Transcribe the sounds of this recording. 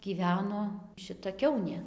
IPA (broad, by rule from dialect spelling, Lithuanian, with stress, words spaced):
ɡʲiːˈʋʲæːnoː ʃʲɪˈtɐ ˈkʲɛʊnʲeː